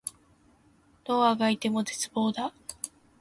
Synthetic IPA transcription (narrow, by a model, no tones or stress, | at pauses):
d̪̥o̞ːaɡait̪e̞mo̞d̪e̞t͡sɨbo̞ːd̪a